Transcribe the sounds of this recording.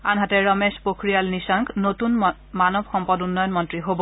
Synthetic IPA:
anɦatɛɹɔmespokɹijalnisaŋknotun | manɔbxɔmpɔdunːɔjɔnmɔntɹiɦobɔ

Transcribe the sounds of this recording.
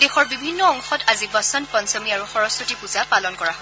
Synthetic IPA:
dexɔɹbibʱinːɔɔŋxɔtʰazibɔsɔntpɔnsɔmiaɹuxɔɹɔsotipuzapalɔnkɔɹaɦɔ

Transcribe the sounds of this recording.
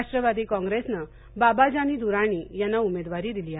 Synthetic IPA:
ʂʈɾəʋad̪ʱiːkɔ̃ŋɡɾesnə | babad͡ʑaniːd̪uɾaɽ̃iːjanːaumed̪ʋaɾiːd̪iliːa

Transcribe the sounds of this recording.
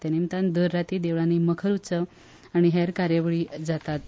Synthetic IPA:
t̪animt̪and̪əɾːat̪iːd̪eʋɭaniməkʰəɾut͡sə | aɽ̃iɦɛɾkaɾjaʋɭiːd͡zat̪at̪̚

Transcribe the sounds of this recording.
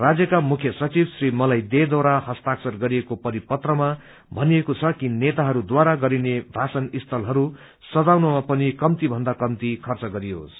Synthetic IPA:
rad͡zjʌkamukʰjʌsʌt͡sibsrimʌlajd̪ed̪aɾahʌst̪aksʌrɡʌɾiekopʌɾipʌt̪rʌma | bʱʌniekot͡sʰʌkinet̪aɦʌɾud̪waɾaɡʌɾinebʱasʌnist̪ʰʌlɦʌɾu | sʌd͡zawnʌmapʌnikʌmt̪ibʱʌnd̪akʌmt̪ikʰʌrt͡sʌɡʌɾiɦo̰s

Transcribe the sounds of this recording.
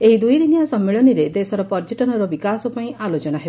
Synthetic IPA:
eɦid̪ujd̪inijasɔmːeɭɔniɾed̪esɔɾɔpɔɾd͡ʒeʈɔnɔɾɔbikasɔpaĩʔalot͡ʃɔnaɦeb

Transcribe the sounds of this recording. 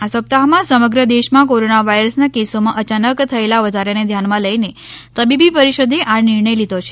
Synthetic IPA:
asəp̚t̪aɦmãsəməɡɾəd̪eʃmãkoɾonaʋaiɾəsnakesomãʔət͡ʃanəkt̪ʰəelaʋəd̪ʱaɾaned̪ʱjanmãləjne | t̪əbibipəɾiʃəd̪ʱeʔanɪɾɳəjlid̪ʱot͡ʃʰe

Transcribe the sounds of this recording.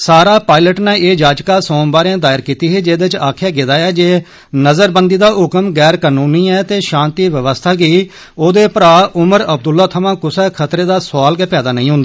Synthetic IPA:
saːɾaːpaːɪləʈnɛːʔeːd͡ʒaːd͡ʒkaːsõːmbaːɾeãːd̪aːɪɾkiːt̪iːɦeːd͡ʒeːd̪et͡ʃaːkʰjaːɡɪd̪aːɛːd͡ʒeː | nəzəɾbənd̪iːd̪aːɦʊkmɡɛːɾkaːnuːniːɛːt̪eːʃãːnt̪iːʋəʋəst̪ʰaːɡiː | oːd̪eːpəɾaːʔʊməɾəb̚d̪ʊlːaːt̪ʰəmãːkʊsɛːkʰət̪ɾeːd̪aːsaːlɡɛːpɛːd̪aːnə̃ĩːɦʊ̃nd̪aː

